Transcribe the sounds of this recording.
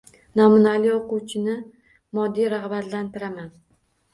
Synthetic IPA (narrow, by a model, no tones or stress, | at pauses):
namʊnalijoqʊwt͡ʃʰɪnɪ | mɒd̪ːijɾaχbat̪lant̪ʰɪɾaman